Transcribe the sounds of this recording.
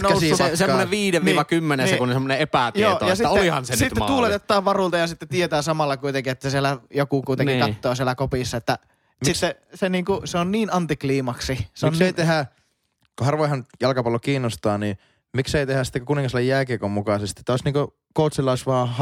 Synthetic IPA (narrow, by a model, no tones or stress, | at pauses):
næsissemɑːoneʋʋiːdeʋʋiːʋɑkymːenesekunsemːoneepæˑt̪joːojɑsiolihɑ̰nsensit̪ːet̪uːlet̪et̪ːɑːʋʋɑruˑlt̪ɑjɑsit̪ːet̪iet̪æːsɑmɑlːɑkuit̪eŋkiet̪ːæssielæjokukut̪enikɑt̪ːoɑsielækopisːɑet̪ːæ | msiːe | seniːŋkuseonniːnɑnt̪ikliːmɑksiseonkseˑit̪eɦæ | kohɑrʋojhɑnjɑlkɑpɑlːokiːnːost̪ɑːniː | mikseˑit̪ehæsi̥t̪ːekokuniŋkɑslːejjæːkikommukɑˑsest̪iet̪ːæoˑsniːŋko | koˑut̪silːˑɑˑisʋɑːh